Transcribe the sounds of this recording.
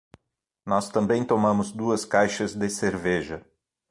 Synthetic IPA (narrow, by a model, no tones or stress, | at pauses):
nɔst̪ɐ̃mbẽj̃t̪omɐ̃mʊzd̪uɐskajʃɐzd̪ɪseɾvɛʒɐ